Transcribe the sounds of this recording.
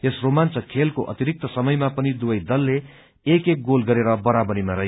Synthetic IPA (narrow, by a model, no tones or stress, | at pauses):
esromant͡sʌkʰelkoʔʌ̰t̪iɾik̚t̪ʌsʌmʌjmapʌnid̪ubʌjd̪ʌlːeː | kek̚ɡolɡʌɾeɾʌbʌɾabʌɾimaɾʌɦe